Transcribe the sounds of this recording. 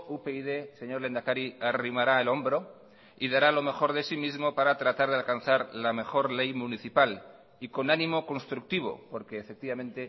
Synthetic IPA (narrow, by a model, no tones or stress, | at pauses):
upeiðese̞ɲo̞ɾle̞nd̪akaɾiarimaɾaelo̞mbɾo̞ | iðaɾalo̞me̞xo̞ɾð̞e̞simizmo̞paɾat̪ɾat̪aɾðealkan̟θaɾlame̞xo̞ɾle̞jmuniθipal | iko̞nanĩmo̞ko̞nst̪ɾuk̚t̪iβ̞o̞̰po̞ɾke̞ːfe̞k̚t̪iβamẽ̞nt̪e̞